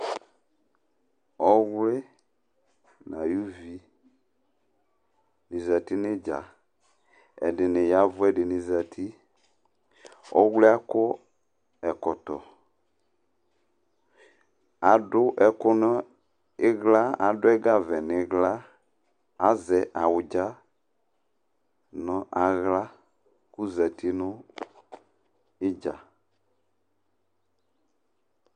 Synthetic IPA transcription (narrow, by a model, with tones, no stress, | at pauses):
ɔ˦ɣlɪ˦ | nã˨ju˦vi˦ | nĩ˨za˨ti˦nɪ̃˦d͡ʒa̰˨ | ɛ̰˨dɪ˨nɪ˨ja˦vʊ˦ɛ˦dɪ˨nĩ˨za˨tʰi˦ | ɔ̰˦ɣlɪ˦a˦kʊ˦ | ɛ˨kɔ˨tɔ˨ | a˨ɖʊ˦ʔɛ˨kʊ˦nɔ̃˦ | e˦ɣla˦a˨ɖʊ˦ɛ˦ɡa˦vɛ˨nɪ̃˨˦ɣla˦ | a˨zɛ˨ʔa˨wʊ˨d͡ʒa˦ | nɔ̃˦ʔa˨ɣla˦ | ku˦zɛ˨ti˦nʊ̃˦ | ɪ˦d͡ʒa̰˨